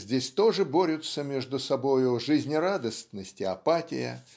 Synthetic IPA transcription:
zʲdʲesʲt̪o̞ʐɨbo̞ɾʲʊt̪səmʲeʐd̪ʊsɐbo̞jʊʐɨzʲnʲɪrad̪əstʲnəsʲtʲɪɐpatʲɪ̰jə̰

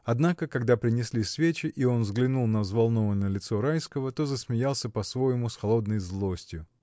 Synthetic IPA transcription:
ɐd̪nakəkɐɡd̪apɾʲɪnʲɪsʲlʲisvʲet͡ɕɪʔio̞nvzɡlʲɪnulˠnəzvɐlˠno̞vənːəjəlʲɪt̪so̞ɾajskəvət̪o̞zəsmʲɪjalˠsʲəpɐsvo̞jɪmʊsxɐlˠo̞d̪nəjzlˠo̞sʲtʲjʊ

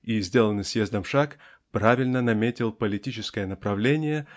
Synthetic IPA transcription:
izʲdʲe̞lˠənɨsʲjezd̪əmfʂak | pɾavʲɪlʲnənɐmʲetʲɪlˠpəlʲɪtʲit͡ɕɪskəjənəpɾɐvlʲenʲɪjə

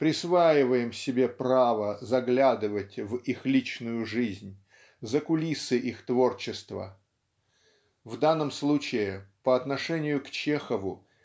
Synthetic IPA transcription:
pɾʲɪsvajɪvəjɪmsʲɪbʲe̞pravəzɐɡlʲad̪ɨvətʲvixlʲit͡ɕnʊjʊʐɨzʲnʲ | zəkʊlʲisɨʔixt̪vo̞rt͡ɕɪst̪və̰ | vd̪anːəmslˠut͡ɕɪɪpəɐt̪nɐʂɛnʲɪjʊkt͡ɕexəvʊ

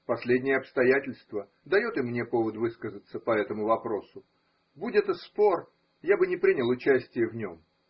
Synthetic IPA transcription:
pɐsʲlʲedʲnʲɪjəɐpst̪ɐjætʲɪlʲst̪və | d̪ɐjo̞t̪ɨmnʲe̞po̞vət̪vɨskəzət̪səpɐɛt̪əmʊvɐpɾo̞sʊ | budʲɛt̪əspo̞r | jabɨnʲɪpɾʲinʲɪlˠʊt͡ɕæsʲtʲɪjəvnʲom

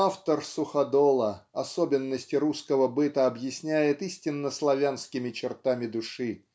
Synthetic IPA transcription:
aft̪ərsʊxɐd̪olˠəɐsobʲɪnːəsʲtʲɪɾuskəvəbɨt̪əɐbjɪsʲnʲæjɪt̪isʲtʲɪnːəslˠɐvʲanskʲɪmʲɪt͡ɕɪrt̪amʲɪd̪ʊʂɨ

